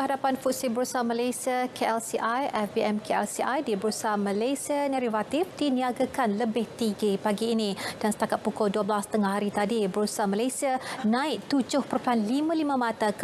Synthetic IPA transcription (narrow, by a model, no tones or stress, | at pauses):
kəɦadapanfut̪̚sibəɾusamalajsiakʰeɛlsiʔajʔɛfbiɛmkʰeɛlsiʔajdibəɾusamalasianɛɾivat̪ifdiniaɡakanləbɪht̪iɡipaɡiːnĩd̥ansə̥t̪akat̪̚pukɔlduəbəlast̪əŋahaɾit̪adibəɾusamalasianãɪʔ̚t̪ud͡ʒʊhpəɾpanlimãlimãmãt̪ak